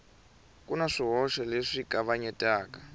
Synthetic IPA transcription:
kunaʂiɦɔʃɛleʂikaβaɲɛtʼaːka

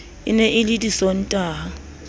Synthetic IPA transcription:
ɪ̰nɛʔilitʼisɔn̩tʼaːa

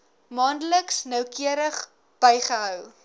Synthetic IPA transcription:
mɑːndələksnœwkiəɾəχ | b̥ɛjχəɦœw

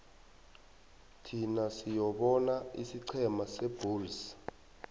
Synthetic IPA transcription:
tʰinasijɔɓɔnaisiǀʰɛmaseb̥ʱuːls

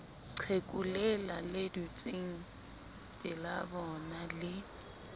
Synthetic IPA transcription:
t͡sʰekʼulɛlaledut͡sʼiŋ̩ | bʼɪlabɔnalɪ

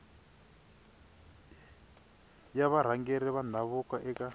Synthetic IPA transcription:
jaβaɾ̤aŋɡɛɾɛβanaβukaʔɛka

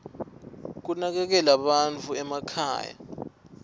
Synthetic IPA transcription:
k̬unak̬ɛk̬ɛlaɓant͡fʰuɛmakʰa̰ːja̰

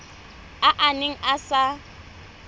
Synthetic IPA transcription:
aʔanɪŋ̩asa

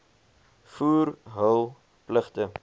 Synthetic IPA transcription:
fuːrɦəlˠ | pləχtə

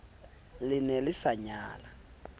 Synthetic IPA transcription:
lɪnɛlɪsaɲaːla

